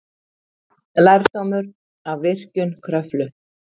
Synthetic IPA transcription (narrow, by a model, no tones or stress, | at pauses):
lajɾst̪owmʏɾ | avvɪr̥cʏnkʰɾœflʏ